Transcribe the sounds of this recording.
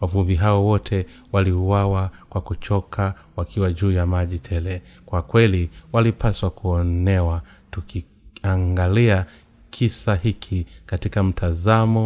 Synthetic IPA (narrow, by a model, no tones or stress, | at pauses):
wavuɱviɦaɔwɔtʰɛ | waliuwawakwakut͡ʃɔkʰa | wakiwaʄuːjamaʄitʰɛlɛkwakwɛliwalipʰaswakuɔnɛwa | tuki | aŋɡalia | kʰisahikʰikatikam̩tʰazamɔ